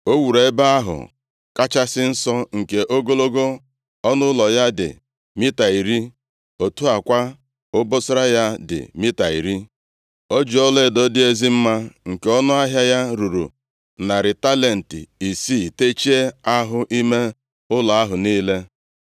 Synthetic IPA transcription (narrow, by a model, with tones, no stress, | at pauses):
o˦wu˨ɾe˨˦ba˦a˦ɦʊ̰˨ | ka˦t͡ʃa˦sɪ˦n̩˦sɔ˦ŋ̩˨ke˨ʔo˦ɡo˦lo˦ɡo˦ | ɔ˦nʊ˦lɔ˨ja˦dɪ̰˨ | mi˦ta˨i˨ɾi˦ | o˨tu˦a˨kʷa˦ | ʊ˦bʊ˦sʊ˦ɾa˦ja˦dɪ̰˨mi˦ta˨ḭ˨ɾi˦ | o˦d͡ʒi˨ɔ˦le˦˨do˦dɪ˦e˦zi˦m̩˦ma˦ŋ̩˨ke˦ɔ˦nʊ˦a˦ɦja˦ja˦ɾu˨ɾṵ˨ | na˨ɾɪ˨ta˦le˨n̩˨tɪ̰˨i˨si˦˨te˦t͡ʃi˦e˦a˦ɦʊ˦ʔi˦me˦ | ʊ˦lɔ˨a˦ɦʊ˨niː˦le˦